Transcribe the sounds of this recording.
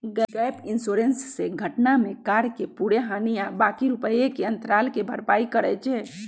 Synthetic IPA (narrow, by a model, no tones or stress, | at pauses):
ɡɛpinsoɾensːeɡʱəʈnamekaɾkepuɽeɦanijabakiɾupəjekeənt̪ɾalkebʱəɾpaikəɾɛt͡ʃʰɛ